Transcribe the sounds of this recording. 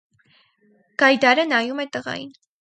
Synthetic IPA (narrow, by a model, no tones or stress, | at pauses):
ɡ̥ɑjd̪ɑɾənɑjumɛt̪əʁɑ̰jḭn